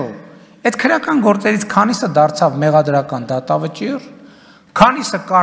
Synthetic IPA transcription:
ɛd̪kʰəɾjɑkɑnɡɔɾt͡sɛɾit͡sʰkʰɑnisəd̪ɑɾt͡sʰɑvmɛʁɑd̪ɾɑkɑnd̪ɑt̪ɑvət͡ʃir | kʰɑnisəkɑ

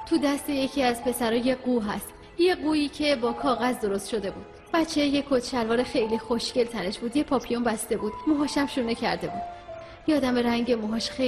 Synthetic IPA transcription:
t̪ʰud̪æst̪e̞je̞cʰiæzpʰe̞sæɾɒːje̞ɡuɦæ̰st̪ | je̞ɡuːiːcʰe̞bɒːkʰɒːɣæzd̪o̞ɾo̞st̪ʃo̞d̪e̞buːd̪̥ | b̥ætt͡ʃʰːejekʰot̪ʃælvɒːɾexejlixo̞ʃce̞lt̪ʰæne̞ʃbuːd̪jepʰɒːpʰijombæst̪e̞buːd̪̥moɦɒːʃæmʃuːnecʰæɾd̪e̞buːd̪ | jeɒːd̪æme̞ɾæŋɟemoɦɒːʃxe

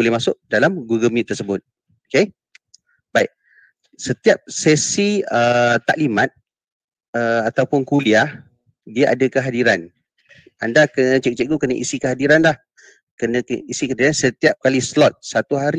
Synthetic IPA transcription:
bolɛhmasʊʔ̚dalamɡuɡəmĩt̪ːərsəbʊt̪̚ | oke | baɪʔ̚ | sət̪iap̚sɛsiət̪a̰ʔlimãt̪̚ | əat̪awpʊnkuliah | diaʔa̰dəkəɦadiɾan | andakənət͡ʃɛk̚t͡ʃɛʔ̚ɡukənəʔisikəɦadiɾanlah | kənəisikəɦadiɾansət̪iap̚kalisəlɔt̪̚sat̪uɦaɾi

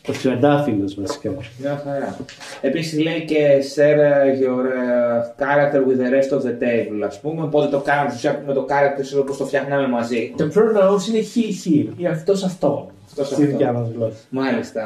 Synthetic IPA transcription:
osiɐd̪ɐfiɣozmɐsi̥kɐmɲɐxɐɾɐ | e̞pisizleice̞seɾʝoɾkɐɾɐk̚t̪eɾɣuiðeɾest̪oðe̞t̪evuloɐspumepot̪et̪o̞kɐnsusɐpumet̪okɐɾɐk̚t̪eɾsoopost̪o̞fçɐɣnɐme̞mɐzit̪opʰɾoɾnɐosineçiçiɾiɐft̪o̞sɐft̪oɐft̪osɐiðɐmɐzlomɐlist̪ɐ

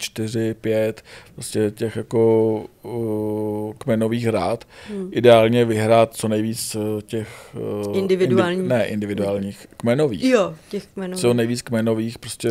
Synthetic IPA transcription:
t͡ʃt̪ɪr̝ɪpjɛt̪pɾoscɛcɛxjako̞ | kmɛno̞viːxɾaːt̪ʔɪdɛaːlɲɛvɪɦɾaːt̪̚t͡so̞nɛjviːt͡scɛxɪndɪvɪuaːlɲnɛʔɪ̰ndɪvɪduaːlɲiːxkmɛnovḭːxjocɛxkmɛnot͡sonɛjviːt͡skmɛno̞viːxpɾoscɛ

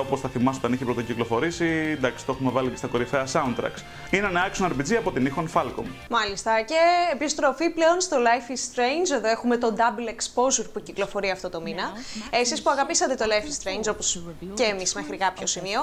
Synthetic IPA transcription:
oposθɐθimɐs̬ot̪ɐniçepɾot̪ociklo̞fo̞ɾisind̪ɐksi̥t̪oexumevɐlice̞st̪ɐko̞ɾifeɐsɐunt̪ɾɐ̰ks | ineneɐksonɐɾpid͡ziɐpo̞t̪inixonfɐlko̰mmɐlist̪ɐce̞ːpost̪ɾo̞fiple̞o̞nst̪o̞lɐjfist̪ɾejnd͡ʒe̞ðo̞e̞xume̞t̪o̞d̪ɐblekspo̞zuɾpuciklofo̞ɾiɐft̪o̞t̪o̞minɐesispuɐɣɐpisɐt̪et̪o̞lɐjfist̪ɾejnd͡ʒo̞posceːmisme̞xɾikɐpço̞simio̞

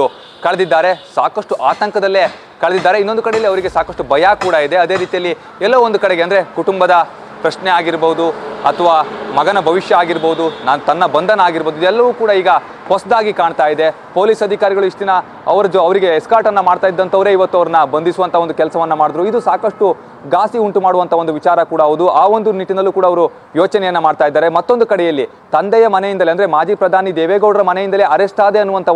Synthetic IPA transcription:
kɐɭed̪id̪ːaːɾe̞saːkɐʂʈuʔaːt̪ɐŋkɐd̪ɐlːe | kɐɭed̪id̪ːaːɾe̞inːo̞nd̪ukɐɽejɐlːiɐʋɐɾiɡe̞saːkɐsʈubɐjaːkuːɽɐid̪e̞ɐd̪e̞ːɾiːt̪ijɐlːi | ɛlːɐʋuond̪ukɐɽeɡe̞ɐnd̪ɾe̞kuʈumbɐd̪ɐ | pɾɐʃneaːɡiɾboud̪uɐt̪ʰɐʋaːmɐɡɐnɐbʱɐʋiʂjɐaːɡiɾboʋud̪unaːnut̪ɐnːɐbɐnd̪ɐnɐaːɡiɾboːd̪uid̪ɛlːɐʋuːkuːɽɐiːɡɐ | pɐsd̪aːɡikaːɳt̪aːjid̪e̞ | po̞ːlisɐd̪ʱikaːɾiɡɐɭuiʂt̪inɐ | ɐʋɐɾɐd͡ʒɐʋɐɾiɡe̞ːskaːʈɐnːɐmaːɽt̪aːjid̪ːɐnt̪ɐʋɐɾe̞ːiʋɐt̪ːuɐʋɐɾɐnːɐbɐnd̪isuʋɐnt̪ʰɐond̪ukɛlɐsɐʋɐnːɐmaːɽd̪ɐɾuid̪usaːkɐʂʈu | ɡaːsiuɳʈumaːɽuʋɐnt̪ʰɐʋod̪uʋit͡ʃaːɾɐkuːɽɐɐʋud̪uʔaːo̞nd̪uniʈːinɐlːuːkuːɽɐːʋɐɾu | jo̞ːt͡ʃɐnɛjɐnːɐmaːɖt̪aːjid̪aːɾe̞mɐt̪ːo̞nd̪ukɐɽɛjɐlːi | t̪ɐnd̪ɛjɐmɐnejind̪ɐleɐnd̪ɐɾemaːd͡ʒiːpɾɐd̪ʱaːnid̪eːʋeːɡɐwɽɐɾɐmɐnejind̪ɐleɐɾɛsʈ̪ʰaːd̪e̞ɐnːuʋɐnt̪ʰɐ

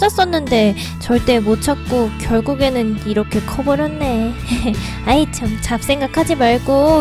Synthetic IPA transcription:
s͈ʰʌs͈ʌnːɯnde̞ | t͡ɕʌɭt͈e̞mot͡ɕʰak̚k͈okjʌɭɡuɡe̞nɯniɾʌkʰe̞kʰʌbʌɾjʌnːe̞ | ait͡ɕamt͡ɕap̚s͈ʰe̞ŋɡakʰad͡ʑimaɭɡo

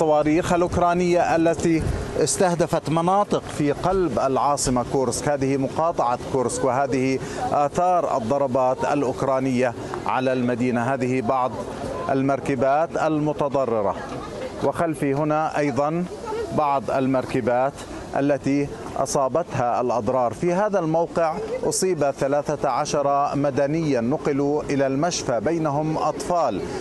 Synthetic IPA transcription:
ɑwɑːɾiːxʔalʔʊkɾˤɑːnɪjːaʔalːat̪iɪst̪ahd̪afat̪mɑnɑːt̪ˤɨqfiqɑlbʔalʕɑːsˤɨmakuɾskhaːðɪhimʊqɑːt̪ˤɑʕɑkʊːɾskwɪɦaːðɪhi | ʔaːθɑːɾˤʔɑ̰d̪ˤːɑɾˤɑbɑːt̪a̰lʔʊkɾˤɑːnɪjːa | ʕa̰lalmad̪iːnaɦaːðɪhibɑʕðˤ | ʔa̰lmɑɾˤkɪbaːt̪ʔalmʊt̪ɑd̪ˤɑrˤːɪɾˤɑ̰ | wɪxalfiɦʊnaʔɑjðˤɑn | bɑʕðˤʔalmɑɾˤkabaːt̪ | ʔa̰lːat̪i | ʔɑ̰sˤɑːbɑt̪ɦaalʔɑd̪ˤɾˤɑːɾˤfiɦaːðalmawqɪʕʔʊsˤiːbaθalaːθaʕaʃɑɾˤɑmad̪anɪjːanːʊqɨluʔɪlalmaʃfabajnaɦʊmʔɑt̪ˤfɑːl

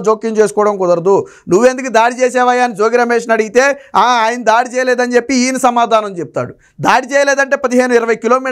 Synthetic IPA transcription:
d͡ʒoːkːiŋt͡ʃeːsu̥kɔːɽɐmkɔd̪ɐɾd̪u | nuʋend̪ukid̪aːʈit͡ʃɛːsɛːʋaːjaːnid͡ʒoːɡiɾɐmeːʂɐnɐɽiɡit̪e̞ːaːaːjɐnid̪aːʈit͡ʃɛːjɐleːd̪ɐnt͡ʃepːiiːnisɐmaːd̪ʱaːnɐmt͡ʃep̚it̪a̰ːɽu | d̪aːʈit͡ʃɛːjɐleːd̪ɐɳʈe̞ːpɐd̪iɦe̞ːnuiɾɐʋɐjkiloːmiː

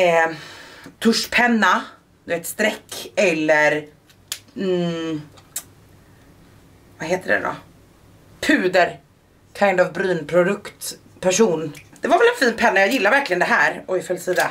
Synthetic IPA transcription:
t̪ʰɵʂpʰɛnːa | d̪̥ɵveːt̪st̪ɾɛkːɛlːəɾ | vaɦeːt̪əɖɛ̰d̪ɔ̰ | pʰʉ̟ːd̪əɾ | kʰaɪnd̪ɔvbɾyːnpʰɾʊd̪ɵkt̪ | pʰæʂuːnd̪̥ɛvaɾvɛlɛnfiːnpʰɛnːajɑːjɪlːaɾvæɾklɪɡənd̪ɛɦæːɾɔɪfœlsiːd̪a

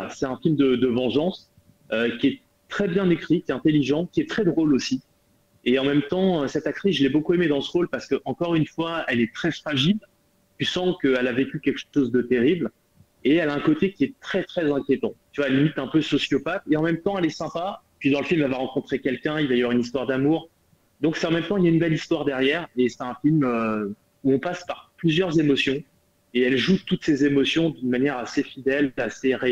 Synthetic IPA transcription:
asɛt̪ɛ̃filmd̪əd̪əvɑ̃ʒɑ̃s | økʲiɛ | t̪χɛbjɛ̃nekχikʲɛɛ̃t̪eliʒɑ̃kʲiɛt̪χɛd̪ʁolosi | eɑ̃mɛmt̪ɑ̃øsɛt̪ak̚t̪χisʒəlɛbokuemed̪ɑ̃səʁolpaʁsə̥kəʔɑ̃kɔʁynfwaɛlɛt̪χɛfχaʒil | t̪ysɑ̃kəɛlavekʲykʲɛlkəʃozd̪ət̪eʁibl | eɛlaɛ̃kot̪ekʲiɛt̪χɛt̪χɛzɛ̃kʲjet̪ɑ̃t̪yvwaɛlimit̪ɛ̃pøsɔsjɔpat̪eɑ̃mɛmt̪ɑ̃ɛlɛsɛ̃pa | pɥid̪ɑ̃ləfilmɛlvaʁɑ̃kɔ̃t̪χekʲɛlkʲɛ̃ilvajavwaynist̪waʁd̪amuʁ | d̪ɔ̃ksɛt̪ɑ̃mɛmt̪ɑ̃iljaynbɛlist̪waʁd̪ɛʁjɛːʁesɛt̪ɛ̃filmø | uɔ̃paspaʁplyzjœʁzemɔsjɔ̃ | eɛlʒut̪ut̪sezemɔsjɔ̃d̪ynmanjɛʁasefid̪ɛlaseʁe

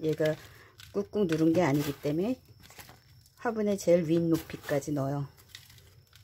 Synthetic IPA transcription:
je̞ɡak͈uk͈uŋnuɾɯnɡe̞aɲiɡit͈e̞me̞ | hwabunet͡ɕe̞ɭɥinːopʰik͈ad͡ʑinʌjo

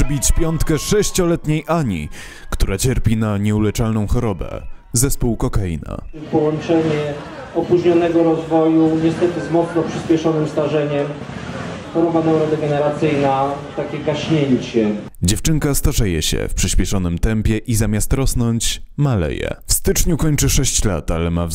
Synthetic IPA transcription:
bʲit͡ɕpʲjɔnt̪kɛʂɛɕt͡ɕɔlɛt̪ɲejʔaɲḭ | kt̪uɾat͡ɕɛɾpʲinaɲɛulɛt͡ʂalnɔ̃w̃xɔɾɔbɛ̰ | zɛspuwkɔkaḭna̰ | pɔwɔnt͡ʂɛɲɛ | ɔpuʑɲɔnɛɡɔɾɔzvɔjuɲɛst̪ɛt̪ɘzmɔt̪snɔpʂɘɕpʲɛʂɔnɘmst̪aʐɛɲɛm | xɔɾɔbanawɾɔd̪ɛɡɛnɛɾat̪sɘjnat̪akʲɛɡaɕɲeɲt͡ɕɛ | d͡ʑɛft͡ʂɘŋkast̪aʐɛjɛɕɛ̰fpʂɘɕpʲjɛʂɔnɘmt̪ɛmpʲjɛʔizamʲast̪ɾɔsnɔɲt͡ɕmalɛ̰jɛ̰fst̪ɘt͡ʂɲukɔɲt͡ʂɘʂɛɕt͡ɕla̰t̪alɛmav

